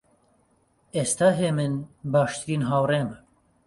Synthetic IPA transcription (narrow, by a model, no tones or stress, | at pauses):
eːst̪ʰaːɦeːmɨnbaːʃt̪ɨɾiːnɦaːwreːmɐ